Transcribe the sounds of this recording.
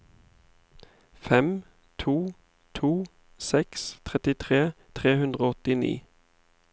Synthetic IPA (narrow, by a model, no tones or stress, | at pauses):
fɛm | t̪ʰuː | t̪ʰuː | sɛkst̪ʰʁɛt̪ɪt̪ʰʁeːt̪ʰʁeːhʉnd̪ʁoːɔt̪ɪnḭː